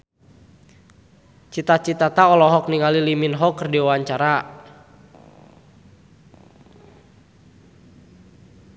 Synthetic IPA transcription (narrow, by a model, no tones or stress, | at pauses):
t͡ʃit̪at͡ʃit̪at̪aɔlɔɦɔk̚niŋaliliminɦɔkɨrdiwawaɲt͡ʃaɾa